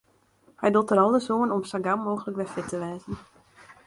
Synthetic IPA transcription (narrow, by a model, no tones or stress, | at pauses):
hɛjdʊlˠtəɾɔlˠdəzoːənɔmstaɡamːoːɣələkʋɛfɪtəʋɛːzən̩